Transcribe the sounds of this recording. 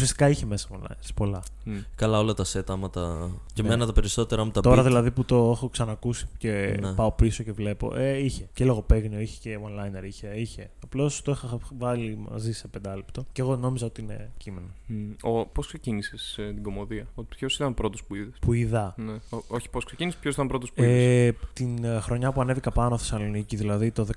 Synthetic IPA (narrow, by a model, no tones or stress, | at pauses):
usiɐst̪ikɐiçe̞me̞sɐonlɐ̰jneɾspo̞lɐ | nkɐlɐo̞lɐt̪ɐset̪ɐmɐt̪ɐcemmenɐt̪ɐpeɾiso̞t̪eɾɐmut̪ɐt̪oɾɐðillɐðiput̪o̞exo̞ksɐnɐkusi̥ce̞pɐo̞piso̞ce̞vle̞po̞̰ʔeiçe̞celoɣope̞ɣnio̞içe̥ceonlɐjne̞ɾiçe̞içe̞ɐplo̞st̪oixɐvɐlimɐ̰zisepend̪ɐlipt̪o̞ceɣo̞no̞mizɐo̞t̪iine̞̰cimenooposksecinisest̪iɡo̞moðiɐot̪ipçosit̪ɐnpɾo̞t̪ospuiðespuiðɐneooçi̥posksecinispçosit̪ɐmpɾo̞t̪ospuieðest̪inxɾo̞ɲɐpuɐne̞vikɐpɐnoθe̞sɐlo̞niciðilɐðit̪o̞ðe